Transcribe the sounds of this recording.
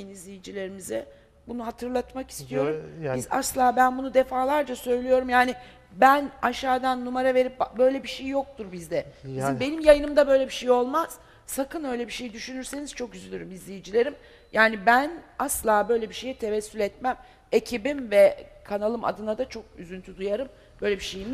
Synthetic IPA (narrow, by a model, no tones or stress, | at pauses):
inizlʲijid͡ʒilʲe̞ɾimizɪ | bunuɦat̪ʰɯɾlˠat̪maki̥st̪ʰijo̞ɾumbiza̰slˠaːbænbunud̪efaːlˠaɾd͡ʒasø̞jlʲijo̞ɾumjaːnɪ | bænaʃaːd̪anːumaɾave̞ɾip̚bbø̞jlʲebiʃejːo̞k̚t̪ʰuɾbizd̪ɛizbe̞nimjajɯnɯmd̪abø̞jlʲebiʃejo̞lˠmaz̥ | sakɯnø̞jlʲebiʃe̞jid̪yʃynyɾse̞niz̥t͡ʃʰo̞kyzylʲyɾymizlʲejid͡ʒilʲe̞ɾim | jʔaːnibænaslˠaːbø̞jlʲebiʃe̞jɛt̪ʰe̞vɛsːylʲɛt̪mæm | e̞cʰibimvɛkʰanalˠɯma̰d̪ɯnad̪at͡ʃʰo̞k̚yzynt̪ʰyd̪ujaɾɯm | bø̞jlʲebiʃe̞jimi